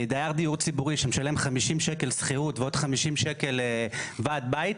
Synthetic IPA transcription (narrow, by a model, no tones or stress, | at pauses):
d̪ajaʁd̪ijuʁt͡sibuʁiʃemeʃale̞mχamiʃimʃeke̞lsχiʁut̪veo̞d̪χamiʃimʃeke̞levaːd̪̚bait̪